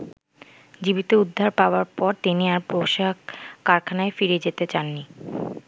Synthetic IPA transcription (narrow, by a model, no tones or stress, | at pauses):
d͡ʑibit̪oud̪ʱːaɾpaoaɾpɔɾt̪iniaɾpɾoʃakːaɾkʰanaefiɾed͡ʑet̪et͡ɕanːi